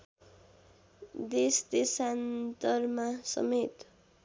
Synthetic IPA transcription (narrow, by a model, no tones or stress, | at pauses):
d̪esd̪esant̪ʌrmasʌ̰met̪